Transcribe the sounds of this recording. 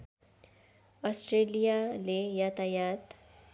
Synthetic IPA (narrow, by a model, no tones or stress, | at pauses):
ɔsʈɾelijalejat̪ajat̪